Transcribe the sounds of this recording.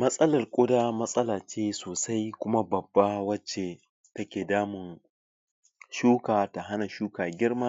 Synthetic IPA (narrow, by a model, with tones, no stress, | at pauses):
mɐ˦sʼɐ˦lɐ˨rkʷʼʊ˦daː˦mɐ˦sʼɐ˦laː˨t͡ʃeː˦soː˨sa˦jkʷʊ˦ma˦bɐ˨bːa˦wɐ˦t͡ʃːe˨ | tɐ˦kʲeː˨daː˦mɪ˨n | ʃuː˦kaː˨ta˨ɦa˦na˨ʃuː˦kaː˨ɡʲɪ˦rma˦